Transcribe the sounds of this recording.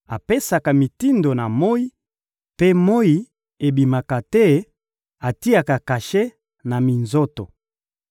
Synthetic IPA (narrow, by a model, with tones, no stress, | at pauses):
a˨pe˦sa˨ka˨mi˨ti˦ndo˨na˨mo˦i˦ | pe˦mo˦i˨ | e˨bi˨ma˨ka˨tɛ˦ | a˨ti˦a˨ka˨ka˨ʃe˦ | na˨mi˨nzo˦to˨